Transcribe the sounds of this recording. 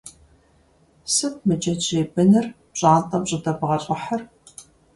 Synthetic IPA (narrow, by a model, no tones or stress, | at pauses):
sɨp̚ʰmɨd͡ʒɐt͡ʃeːbɨnɨr | pɕʼaːntʼɐmɕʼɪdɐbʁɐɕʼɐħɐr